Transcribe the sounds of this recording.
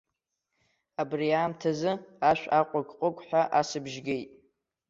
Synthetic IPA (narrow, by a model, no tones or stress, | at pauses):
abriaːmtʰazɨaʃᶣʷaqʷʼaɡʼqʷʼʊkʷʼħʷᶣaʔasɨbʒɡʲe̞jtʼ